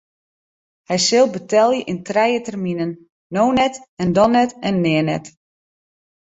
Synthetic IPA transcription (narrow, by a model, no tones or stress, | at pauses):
hɛjsɪlˠbətɛlˠjəʔintrɛjətɛrminənː | oːnɛtɛndɔnɛtɛnːɪənɛ̰t